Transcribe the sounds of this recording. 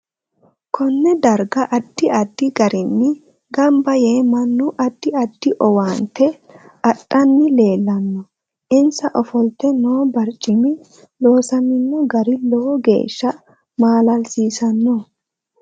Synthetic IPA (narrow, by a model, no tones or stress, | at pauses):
kʰɔnːɛd̪ɐɾɡɐʔɐd̪̥ːɪɐd̪̥ːɪɡɐɾɪnːɪ | ɡɐmbɐje̞ːmɐnːʊʔɐd̪̥ːɪɐd̪̥ːɪʔɔwaːnt̪ʰɛ | ɐtʼːɐnːɪle̞ːlːɐnːɔ | ʔɪnsɐʔɔfɔlt̪ɛnoːbɐɾt͡ʃʼːɪmɪ | lo̞ːsɐnɪnːɔɡɐɾɪlɔɡḛːʃːɐ | maːlɐlsiːsɐnːɔ